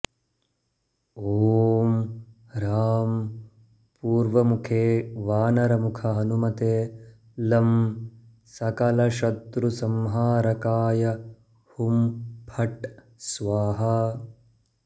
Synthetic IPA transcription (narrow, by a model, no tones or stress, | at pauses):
oːm | ɾaːm | puːɾʋɐmukʰeːʋaːnɐɾɐmukʰɐɦɐnumɐt̪eː | lɐm | sɐkɐlɐʃɐt̪ɾusɐmɦaːɾɐkaːjɐ | humpʰɐʈ | sʋaːɦɐ